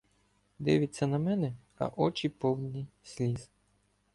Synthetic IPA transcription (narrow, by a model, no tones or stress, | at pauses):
d̪ɪʋʲɪtʲt͡sʲːɐnɐmɛnɛ | ɐ̰ʔɔt͡ʃʲipɔw̪ʲnʲisʲlʲiz